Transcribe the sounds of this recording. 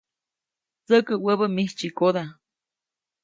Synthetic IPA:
t͡səkəwəbəmiht͡ʃikod̪a

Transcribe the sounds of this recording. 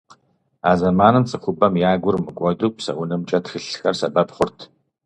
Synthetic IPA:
aːzɐmaːnɨmt͡sʼɨxʷʊbɐmjaːɡʷʊrmɨkʷʼɔduːpsɐ̰wʊnɨmt͡ʃʼɐtxɨɬxɐrsɐbɐpχʷʊrtʰ

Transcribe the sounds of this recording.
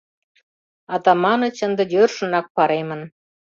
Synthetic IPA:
ɑt̪ɑmɑnə̆t͡ɕənd̪ə̆jørʃə̆nɑk̚pɑɾemən

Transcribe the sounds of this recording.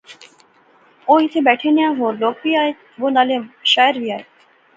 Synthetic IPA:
oit̪ʰebɛʈʰenejaɦoɾlok̚biaj | bonaleʃaeɾbiaj

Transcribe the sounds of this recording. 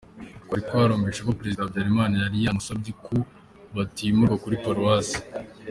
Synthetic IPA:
kwaɾikoaɾoːmbeʃekopɾe̞zidabɟaɾimaːnajaɾijamusobɟikʰu | βatimuɾɡakuɾipaɾuwaːsi̥

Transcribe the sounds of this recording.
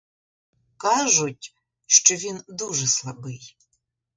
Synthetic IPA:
kaʒʊtʲ | ʂt͡ʃɔʋʲind̪uʐɛslˠɐbɨj

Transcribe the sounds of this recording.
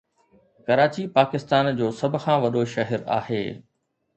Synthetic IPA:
kɐɾaːt͡ɕipaːkɪst̪aːnd͡ʑoːsɐbʱʊ̆xʰãːʋɐɗoʃɐɦɛɾa̰ːheː

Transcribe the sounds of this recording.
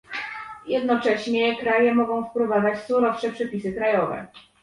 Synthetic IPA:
jɛd̪nɔt͡ʂɛɕɲɛkɾajɛmɔɡɔ̃w̃fpɾuvavat͡ɕ̪suɾɔfʂɛpʂɛpʲisɘkɾajɔvɛ̰

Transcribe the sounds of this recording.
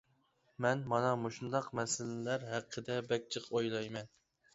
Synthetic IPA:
mɛnmɑnɑmoʃund̪ɑqmɛsɪlɪlæɾɦæqʰːəd̪ɛbɛk̚ʲt͡ʃʰəqʰojlˠɑjmɛn

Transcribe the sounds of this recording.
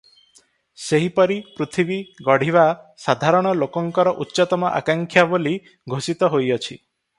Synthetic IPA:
seɦipɔɾipɾut̪ʰibiɡɔɽ̤iβa | sad̪ʱaɾɔɽ̃ɔlokɔŋkɔɾɔʔutːʃɔt̪ɔmɔʔa̰kaŋkʰjaboli | ɡʱosit̪ɔɦojɔt͡ʃʰi

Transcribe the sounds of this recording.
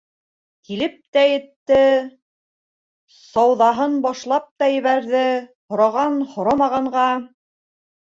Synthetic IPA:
kilɘp̚t̪æjɘ̆t̪ːɘ | sɑwðɑɦɤnbɑʃlˠɑp̚t̪ɑjɘ̆βæɾðɘhŏɾɑʁɑnhŏɾɑmɑʁɑɴɢɑ

